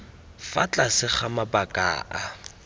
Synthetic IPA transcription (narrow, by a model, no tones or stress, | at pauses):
fat͡ɬʼasɪχamabakʼa̰ːʔa